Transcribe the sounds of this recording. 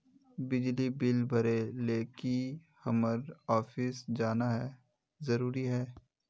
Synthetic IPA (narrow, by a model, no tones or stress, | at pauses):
bɪd͡ʒlibɪlbʱɐɾeleːki | hɐməɾɔːfɪsd͡ʒaːnaɦɛː | zɐɾuːɾiɦɛː